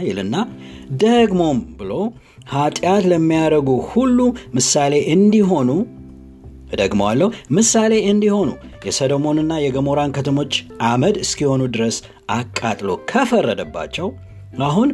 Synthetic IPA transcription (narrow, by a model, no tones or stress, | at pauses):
jɪlɨnːad̪əɡmo̞mbɨlo̞ | hat̪ʼjat̪ləmːijaɾəɡuhulːumɨsale̞ʔɨnd̪iɦo̞nu | d̪əɡmowalːəhumɨsale̞ɨnd̪iho̞nṵ | jɛsədomo̞nɨnːajɛɡəmo̞ɾankʰət̪ʰəmo̞t͡ʃːʔaməd̪ɨskiho̞nud̪ɨɾəs | ʔakʼːat̪ʼlo̞̰kʰəfərːəd̪əbːa̰t͡ʃːɛw | aɦun